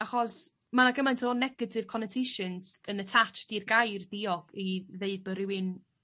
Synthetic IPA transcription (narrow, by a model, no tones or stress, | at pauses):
aχɔs | manaɡəmantʰɔnɛɡədʰɪv̥kʰɔnətʰeʃənz̥ənətʰat͡ʃd̥irɡajrdiɔɡ̥iðeɨd̚bəɾɪwɪn